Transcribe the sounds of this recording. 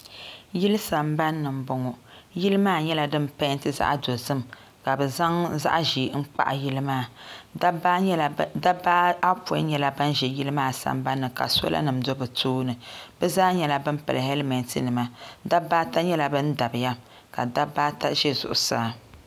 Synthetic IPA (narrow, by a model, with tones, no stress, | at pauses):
ji˦lɨ˦sa˨mba˦nːɨ˨m̩˨bɔ˦ŋɔ˨ji˦lɨ˦maː˦˨ɲɛ˦la˨dɨ˦mpa˦n˦tɨ˦za̰˦ʔdo˨zɨ˦m | ka˨bɛ˨za˦ŋza̰˦ʔʒi˨ŋ̩˦k͡pa̰˦ʔji˦lɨ˦maː˦˨˦ | ba˦a˦pɔ˨˦ɲɛ˦la˦ba˦n˦ʒɛ˨ji˦lɨ˦maː˦˨sa̰˨mba˦nːɨ˨ka̰˨so̰˦la̰˦nɨ˨mdo˦bɨ˨tʰoː˦nɨ˨bɛ˦zaː˦ɲɛ˦la˦bɨ˦m̩˦pɨ̰˨lɨ˨hɛ˦lmɛ˨ntɨ˨nɨ˨ma˦da˦bːaː˦ta˦ɲɛ˦la˨bɨ˦n̩˦da˨bɨ˨ja˦ | ka̰˨da˦baː˦ta˦ʒɛ˦zʊ̰˨ʔʊ̰˨saː˦˨